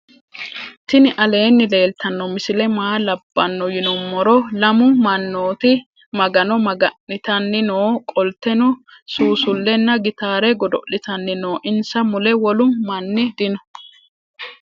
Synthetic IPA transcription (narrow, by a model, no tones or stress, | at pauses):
t̪ɪnɪʔɐle̞ːnːɪle̞ːlt̪ʰɐnːɔmɪsɪlɛmaːlɐbːɐnːɔjɪnɔmːɔɾɔlɐmʊmɐnːoːt̪ɪ | mɐɡɐnɔmɐɡɐnːɪt̪ɐnːɪnoːkʼɔlt̪ːɛnʊ | suːsʊlːɛnːɐɡɪt̪aːɾɛɡɔd̪ɔʔɪt̪ɐnːɪno̞ːʔɪnsɐmʊlɛwɔlʊmːɐnːɪd̪ɪnɔ